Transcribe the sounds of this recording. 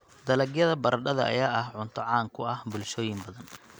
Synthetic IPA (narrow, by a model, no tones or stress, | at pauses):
d̪ɐlɐɡjɐðɐbɐɾɐɖɐðɐɐ̰jaːʔɐhʕʊnt̪ʰɐʕɑːŋkʰʊɐhbʊlʃɔːjɪmbɐðɐn